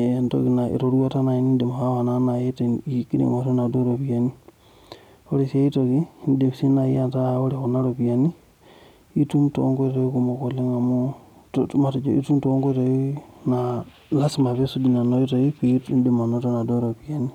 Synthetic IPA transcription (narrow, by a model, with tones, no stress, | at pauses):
e˨nto̰˦ki˨na˨ḭ˨ɾo˨ɾu˦wa˦ta˦na˨i˨ni˦de˨m˨ha˦ha˨na˦na˨je˦ti˦kḭ˦nḭ˨ŋa˨to˦na˨do˦ɾo˨pi˨ja˦ni˦ | o˦ɾe˨se˦i˦to˨ki˦nde˨m˨si˦na˨jḭ˦a˦nta˦o˦ɾe˨ko˨na˦ɾo˨pi˨ja˨ni˦ | i˦tu˦mto̰˦ŋɡo˦ti˦ku˨mo˨ko˨le˦ŋa˨mo˦ | tma˨to˨d͡ʒo˨ḭ˦tu˦mto˦ŋɡo˦to˨i˦na˨ | la˦sima˨pe˦su˦di˨na˨no˦i˦to˨i˦pi˦tnde˨ma˨no˦to˦na˨do˦ɾo˨pi˨ja˨ni˦